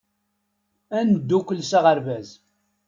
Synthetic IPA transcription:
ænd̪ːukʷːəlsaʁəɾvæz

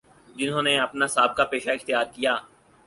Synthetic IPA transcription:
d͡ʒɪnɦõːneɐpnasaːb̚kapeːʃaɪxt̪jaːɾkijaː

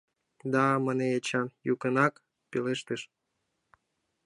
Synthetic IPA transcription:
d̪ɑməneet͡ɕɑnjukə̆nɑk | peleʃt̪əʃ

